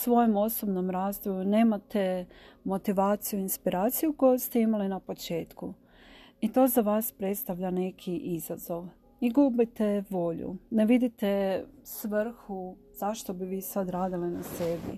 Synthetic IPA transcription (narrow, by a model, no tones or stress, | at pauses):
sʋo̞jomo̞so̞bno̞mɾaːzd̪ojune̞ːmat̪e̞mo̞t̪iʋaːt̪sijuinspiɾʔaːt̪sijuko̞jost̪eimalinapo̞t͡ʃe̞ːt̪ku | it̪o̞ːzaʋaːspɾe̞t̪st̪aʋʎane̞kʰiʔizazo̞ʋ | iɡubit̪e̞ʋo̞ʎṵneʋid̪it̪esʋr̩xu | z̥aʃt̪o̞biʋiːsad̪ɾaːd̪ilinase̞bḭ